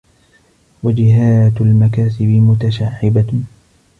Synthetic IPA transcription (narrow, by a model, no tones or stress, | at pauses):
wad͡ʒɪɦaːt̪almakaːsɪbɪmʊt̪aʃaːʕɪba